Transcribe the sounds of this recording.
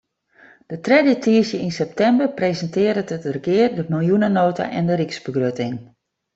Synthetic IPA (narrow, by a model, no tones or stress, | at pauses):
d̥ətrɛdətiəsjəinsɛp̚tɛmbərprezəntɪːɾətətərkɪərdəmɪlˠjunənoːtʰa̰ʔɛndəɾiksbəɡrøtɪŋ